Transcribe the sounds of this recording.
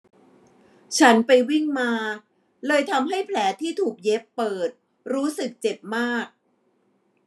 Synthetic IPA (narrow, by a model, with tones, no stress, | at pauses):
t͡ɕʰa˦˥npa˧jwi˥˩ŋmaː˧ | lɤː˧jt̪ʰa˧mɦa˥˩jpʰlɛː˩˦t̪ʰiː˥˩t̪ʰuː˨˩k̚je˦˥pːɤː˨˩t̪̚ | ɾuː˦˥sɯ˨˩k̚t͡ɕe˨˩p̚maː˥˩k̚